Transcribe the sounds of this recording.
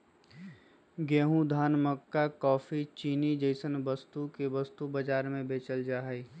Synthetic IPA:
ɡeːɦũd̪ʱaːnməkːakɔːfʰit͡ʃiːnid͡ʒəɪsənʋəst̪ukeʋɐst̪ubəd͡ʒaːɾmẽbeːt͡ʃəld͡ʒaːɦi

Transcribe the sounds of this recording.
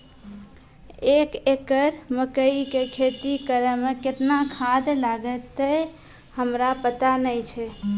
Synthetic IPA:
ekekəɾməkəikekʰet̪ikəɾɛmeket̪nakʰad̪laɡət̪ːə | həmɾapət̪anəjt͡ʃʰɛ

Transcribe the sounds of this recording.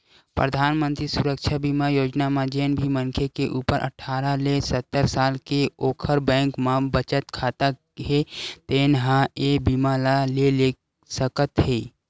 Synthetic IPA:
pɾə̰d̪ʱaːnmə̃nt̪ɾisʊɾəkʃʰabimajoːd͡ʒnamãd͡ʒeːnbʱiməŋkʰekeʔuːpəɾʔə̰ʈʰaːɾalesət̪ːəɾsaːlkeoːkʰəɾbɛ̃ːŋkmãbət͡ʃət̪kʰaːt̪a | ɦet̪eːnɦãebimalalele | səkət̪ɦeː

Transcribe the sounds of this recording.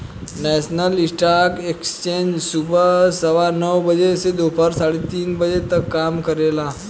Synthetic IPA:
nɛsnəlisʈaɾkekst͡ɕẽnd͡ʒsubəsəʋanəwbəd͡ʒesed̪opəɾsaɽet̪iːnbəd͡ʑet̪əkːamkəɾela

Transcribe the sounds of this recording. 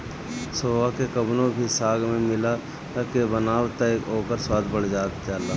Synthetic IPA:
soːʋakekəbnõbʱisaːɡmẽmɪla | t̪akebənaːwt̪aeːkoːkəɾswaːd̪ʱbəɽd͡ʒaːt̪ːaːlːa

